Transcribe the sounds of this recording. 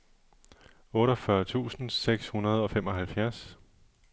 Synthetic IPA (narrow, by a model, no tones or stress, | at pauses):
ɔ̽ːɾɒfɶɐt͡sʰṵːsn̩seɡ̥shunɐð̞ˠɒ̽fem̰ɒ̽ɦælfjæɐs